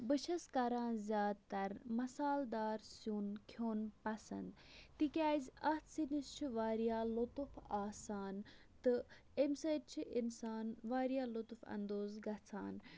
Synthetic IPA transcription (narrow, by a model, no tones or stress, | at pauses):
bɨʃɐskɐɾãːnzʲjaːd̪t̪ɐɾmɐsaːld̪aːɾsjuːnkʰjoːnpɐsɐ̰nd̪ | t̪ikʲaːzʲɐt̪ʰsinist͡ʃʰiʋaːɾijaːlot̪ufaːsaːn | t̪ɨ | emsɐtt͡ʃʰiʔinsaːnʋaːɾjaːlot̪ufɐ̰nd̪oːzɡɐt͡sʰa̰ːn